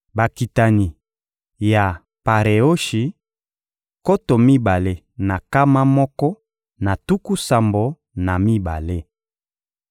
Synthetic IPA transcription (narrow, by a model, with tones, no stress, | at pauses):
ba˨ki˨ta˨ni˨ | ja˨ | pa˨ʁe˨o˦ʃi˨ | ko˦to˨mi˦ba˨le˦ | na˨ka˦ma˦mɔ˦kɔ˦ | na˨tu˦ku˦sa˨mbo˨ | na˨mi˦ba̰˨le˦